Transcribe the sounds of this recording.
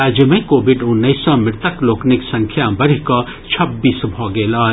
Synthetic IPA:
aːd͡ʒəmɐ̃ikoːbiɖʊnːəisɔ̃mɪɾt̪əkloːkniksɐ̃ŋkʰjabɐɾikɔ | t͡ʃʰɐbːiːsbʱɔːɡeːlaː

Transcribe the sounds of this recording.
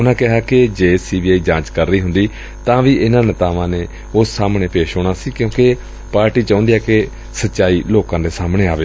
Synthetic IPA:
ʊnãːkɪɦaːkɪd͡ʒeːsiːbiːaːiːd͡ʒãːt͡ʃkəɾːəiːɦʊ̃nd̪iː | t̪ãːʋiːʔɪnãːnɪt̪aːʋãːneː | ʊsːaːmɳeːpeːʃɦoːɽ̃aːsiːkjõːke | paːɾʈiːt͡ʃãːnd̪iːɛːke | sətːʃaːiːloːkãːd̪eːsaːmɳeːaːʋeː

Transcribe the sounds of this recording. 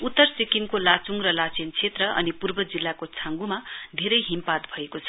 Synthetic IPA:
ut̪ːʌrsekiŋkolat͡suŋrʌlat͡sent͡sʰet̪rʌʔʌ̰nipurbʌd͡zilːakot͡sʰãŋɡumad̪ʱeɾʌjɦimpat̪bʱʌekot͡sʰʌ̥

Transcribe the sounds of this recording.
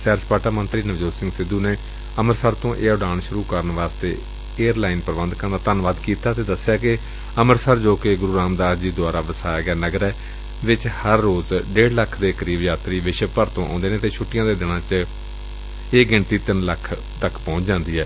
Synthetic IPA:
sɛːɾspaːʈaːmə̃nt̪ɾiːnəd͡ʒoːsɪ̃ŋɡsɪd̪uːneː | əməɾsəɾt̪õːʔeːɖaːɳʃʊɾuːkəɾənʋaːst̪eː | eːəɾlaːɪnpəɾʋə̃nd̪kəɾnd̪aːt̪ənʋaːd̪kiːt̪aːt̪eːd̪əsːjaːkɪ | əməɾsəɾd͡ʒoːkeɡʊɾuːɾaːmd̪aːɾd͡ʒiːd̪ʊaːɾaːʋəsaːjɡɛːnəɡɾɛː | ʋɪt͡ʃhəɾːoːzɖeːɽləkʰd̪eːkəɾiːbjaːt̪ɾiːʋɪʃpəɾt̪õːʔã̰ːnd̪eːneːt̪eːt͡ʃʰʊʈːɪjãːd̪eːd̪ɪɽ̃ãːt͡ʃ | eːɡɪɳʈiːt̪ɪnləkʰ | t̪əkʰːpɔ̃ːt͡ʃd͡ʒãːnd̪iːɦɛː

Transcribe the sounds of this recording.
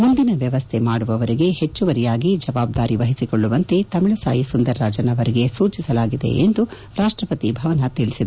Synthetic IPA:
mund̪inɐʋjɐʋɐst̪ʰe̞maːɽuʋɐʋɐɾiɡe̞het͡ʃːuʋɐɾijaːɡid͡ʒɐʋaːb̚d̪aːɾiʋɐɦisikoɭːuʋɐnt̪e̞t̪ɐmiɭɐsa̰ːjisund̪ɐɾːaːd͡ʒɐnɐʋɐɾiɡe̞suːt͡ʃisɐlaːɡid̪ḛʔend̪u | ɾaːʂʈɾɐpɐt̪ibʱɐʋɐnɐt̪iɭisid̪e

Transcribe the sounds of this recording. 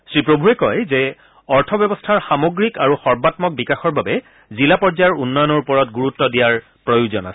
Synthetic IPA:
sɹipɹobʱuɛkɔjzɛ | ɔɹtʰɔbjɔbɔstʰaɹxamoɡɹikaɹuxɔɹbatmɔk̚bikaxɔɹbabɛ | zilapɔɹzajɔɹunːɔjɔnɔɹupɔɹɔtɡuɹutːɔdijaɹ | pɹɔjuzɔna̰sɛ̥

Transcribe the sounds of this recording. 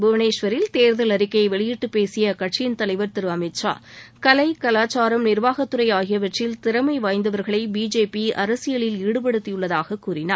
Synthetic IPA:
bʊʋɐneːʂʋɐɾɪlt̪eːɾðɯlɐɾɪkːɐɪʋɛɭɪjɪʈːɯpeːsɪjɐkɐʈʂɪjnt̪ɐlɐɪʋɐɾt̪ɪɾɯɐmɐɪʈt͡ʃa̰ːkɐlɐɪkɐlaːt͡ʃaːɾɐmnɪɾʋaːɣɐt̪ːɯɾɐjaːɣɪjɐʋɐʈːrɪlt̪ɪɾɐmɐɪʋaːjnd̪ɐʋɐɾɣɐɭɐɪbiːd͡ʒeːpiʔɐɾɐsɪjɐɭɪliːɽɯp̬ɐɽɯt̪ːɪjɯɭːɐðaːɣɐkːuːɾɪna̰ːɾ

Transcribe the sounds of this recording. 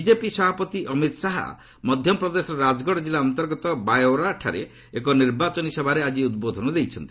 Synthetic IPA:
id͡ʒepisɔbʱapɔt̪iʔɔmit̪saɦa̰ | mɔd̪ʱjɔɔpɾɔd̪esɔɾɾad͡ʒɡɔɽɔd͡ʒilaɔnt̪ɔɾɡɔt̪ɔbajoɾaʈʰa̰ɾe | ekɔniɾbat͡ʃɔnisɔbʱaɾead͡ʒiud̪̚bod̪ʱɔnɔd̪ejt͡ʃʰɔnt̪i

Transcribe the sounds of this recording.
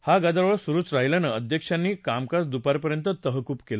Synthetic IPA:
haɡad̪ɾʋəɭsuɾuːt͡sɾaɦjlanəəd̪ʱjəkʂanːiːkamkasd̪upaɾpəɾjənt̪ət̪əɦəkuːpkela

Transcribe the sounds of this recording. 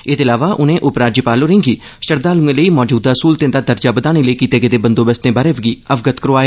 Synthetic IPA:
eːt̪eːɪlaːʋaːʔʊnẽːʔʊpɾaːd͡ʒipaːloːɾẽːŋɡiː | ʃəɾd̪aːlũɡẽləiːmɔːd͡ʒuːd̪aːsuːlt̪ẽːnd̪aːd̪əɾd͡ʒaːbəd̪aːɽ̃iːləiːkiːt̪eːɡeːd̪eːbənd̪õːbəst̪ẽːbaːɾeːʋəɡiːəfɡət̪kəɾoaːe

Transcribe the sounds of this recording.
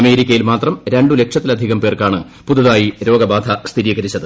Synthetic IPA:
ɐme̞ːɾikʲːɐjilmaːt̪rɐmɾe̞ɳɖule̞kʂɐt̪ːilɐd̪ʱiɣɐmpe̞ːrkaːɳɨ | puðuðaːjiɾo̞ːɡɐbaːd̪ʱʰɐst̪ʰiɾiːɣɐɾit͡ɕːɐðɨ

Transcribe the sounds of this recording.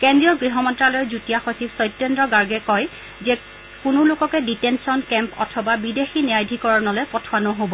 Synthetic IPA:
kendɹijɔɡɹiɦɔmɔntɹalɔjɛzutijaxotʰibsɔjtːɛndɹɔɡaɹɡɛkɔj | zɛ | kʊnʊlʊkɔkɛditɛnsiɔnkɛmpɔ̰tʰɔbabidexinijajdʱikɔɹɔnɔlɛpɔtʰoanɔɦobɔ

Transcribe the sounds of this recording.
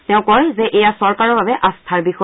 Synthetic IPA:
tɛʊ̃kɔɹzɛʔɛjasɔɹkaɹɔɹbʱabɛʔastʰaɹbixɔ

